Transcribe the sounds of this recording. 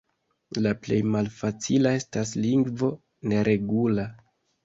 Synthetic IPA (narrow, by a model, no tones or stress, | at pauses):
laple̞jmalfat͡silae̞stasliŋɡvo̞ | ne̞ɾʔe̞ɡula